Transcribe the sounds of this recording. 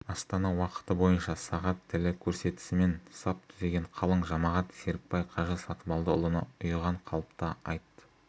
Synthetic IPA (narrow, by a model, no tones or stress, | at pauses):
ɑst̪ɑnɑwɑqə̥t̪əbo̞jənʃɑsɑʁɑt̪ʰːɪlɪkʲʰɵɾse̞t̪ɪ̥sɪme̞nsɑp̚t̪ʰʏze̞ɡʲe̞ɴqʰɑlˠəɴʒɑmɑʁɑt̪se̞ɾɪk̚pɑjqʰɑʒəsɑt̪əbɑlˠd̪əʊlˠənɑʊjʁɑɴqʰɑlˠəpt̪ɑɑjt̪ːə̥